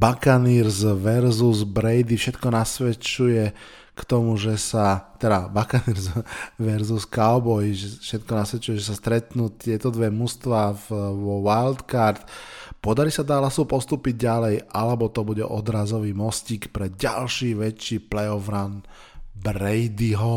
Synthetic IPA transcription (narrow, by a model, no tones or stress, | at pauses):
bakaniːɾzʋɛɾzuzbɾɛjd̪ifʃɛt̪kɔnasʋɛt͡ʃujɛ | kt̪ɔmuʒɛsat̪ɛɾabakaniːɾzʋɛɾzuskaʊbɔjʒɛfʃɛt̪kɔnasʋɛt͡ʃujɛʒɛs̬ast̪ɾɛt̪nuːt̪ɪɛt̪ɔd̪ʋɛmust̪ʋaːvɔʋajlt̪kaɾt̪pɔd̪aɾiːsad̪aɦlasupɔst̪uːpiɟ̚ɟalɛjʔalɛbɔt̪ɔbuɟɛʔɔd̪ɾazɔʋiːmɔscikpɾɛɟa̰lʃiːʋɛt͡ʃːiːplɛɔvɾan | bɾɛjd̪iɦɔ